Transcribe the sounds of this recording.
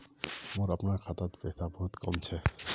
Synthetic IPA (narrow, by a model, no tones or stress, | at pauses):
muɾapnaɹkʰat̪at̪pesʰabɔɦut̪kɔ̰mt͡ɕʰɛ